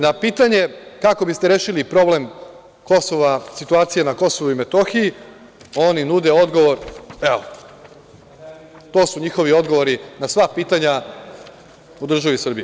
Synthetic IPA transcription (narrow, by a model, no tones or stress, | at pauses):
napiːt̪aɲe̞kako̞bist̪e̞ɾeːʃilipɾo̞ble̞m | ko̞so̞ʋasit̪uaːt̪sijenako̞so̞ʋuime̞t̪oxiji | o̞ninud̪e̞o̞d̪ɡo̞ʋo̞ɾeo | t̪o̞ːsuɲixo̞ʋio̞d̪ɡo̞ʋoɾinasʋapiːt̪aɲa | ud̪r̩ʒaʋisr̩biji